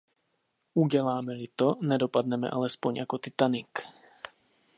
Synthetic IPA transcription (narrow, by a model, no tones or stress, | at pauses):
uɟɛlaːmɛlit̪ɔnɛd̪ɔpad̪nɛmɛ̰ʔalɛspɔɲakɔt̪it̪anik